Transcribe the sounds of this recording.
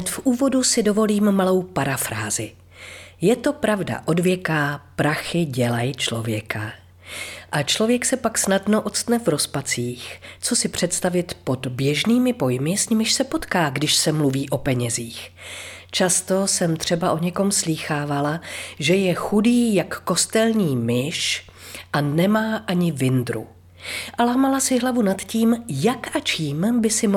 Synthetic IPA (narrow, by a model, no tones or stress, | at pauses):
t̪fʔuːvo̞dusɪdo̞vo̞liːmːalo̞wpaɾafɾaːzɪ | jɛt̪o̞pɾavda̰ʔo̞dvjɛkaːpɾaxɪɟɛlajt͡ʃlo̞vjɛkʰa | ʔat͡ʃlovjɛksɛpaksnadno̞ʔo̞t̪t͡st̪nɛvɾo̞spat͡siːxt͡so̞sɪpr̝̥ɛt̪st̪avɪt̪po̞dbjɛʒniːmɪpo̞jmɪsɲɪmɪʃsɛpo̞t̪kaːɡdɪʃsɛmluviːʔo̞pɛɲɛziːxt͡ʃast̪o̞sɛmt̪r̝̥ɛbaʔo̞ɲɛko̞msliːxaːvalaʒɛjɛxudiːjakːo̞st̪ɛlɲiːmɪʃʔanɛmaːʔaɲɪvɪnd̪ɾṵ | ʔalaːmalasɪɦlavunat̪ciːmjakʔat͡ʃiːmbɪsɪm